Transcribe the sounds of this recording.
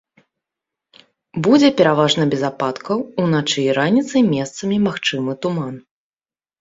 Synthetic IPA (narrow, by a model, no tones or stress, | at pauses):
bud͡zʲɛpʲɛɾavaʐnɐbʲɛzapat̪kɐwunat͡ʂɨjɾanʲit̪sɐjmʲɛst̪sɐmʲimaxt͡ʂɨmɨt̪uman